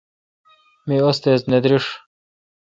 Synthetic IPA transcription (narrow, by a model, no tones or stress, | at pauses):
miost̪ezned̪ɾiʂ